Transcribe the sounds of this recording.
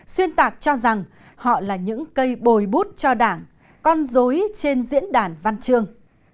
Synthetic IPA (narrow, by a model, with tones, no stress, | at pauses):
swi˧ənt̪aː˨˩k̚t͡ɕɔ˧za˨˩ŋ | hɔ̰˧˨laː˨˩ɲɨ̰˧˥ŋkə˧jɓo˨˩jɓu˦˥t̚t͡ɕɔ˧ɗaː˧˩ŋ | kɔ˧nzo˨˦jt͡ɕe˧nzḭ˧˥ənɗaː˧˩nva˧nt͡ɕɨ˧əŋ